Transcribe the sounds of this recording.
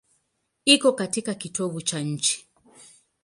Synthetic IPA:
ikɔkatikakitɔβut͡ʃaɲ̩t͡ʃi̥

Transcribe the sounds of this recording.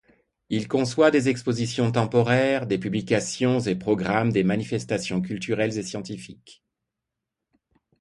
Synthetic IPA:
ilkɔ̃swad̪ezɛkspozisjɔ̃t̪̬ɑ̃pɔʁɛʁd̪epyblikasjɔ̃zepχɔɡʁamd̪emanifɛst̪asjɔ̃k̬ʲylt̪yʁɛlzesjɑ̃t̪ifik

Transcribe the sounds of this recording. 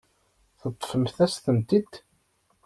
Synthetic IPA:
θət̪ˤːfəmθæsθəmt̪id̪

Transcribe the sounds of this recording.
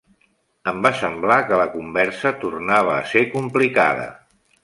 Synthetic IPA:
əmbasəmblakələkumbɛɾsət̪urnaβ̞əːsekumplika̰ðə̰

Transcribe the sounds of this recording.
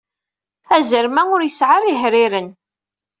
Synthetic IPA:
æzəɾmæʊɾjəsʕaɾiɦɾɪɾən

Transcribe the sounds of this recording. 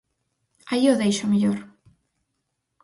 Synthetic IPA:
aioðejʃomeʎoɾ

